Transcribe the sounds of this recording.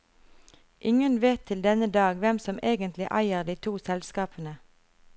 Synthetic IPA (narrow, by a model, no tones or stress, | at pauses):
ʔɪŋənʋeːt̪ʰɪld̪ɛnəd̪ɑːɡʋɛmsɔmeːɡənt̪ʰlɪʔæɪəʁd̪iːt̪ʰuːsɛlskɑːpʰənə